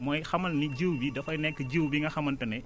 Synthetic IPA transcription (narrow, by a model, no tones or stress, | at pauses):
mɔːjxɐmɐlniɟəwbidɐfɐjnɛkːəɟəwbiŋɡɐxɐmɐntɐnɛ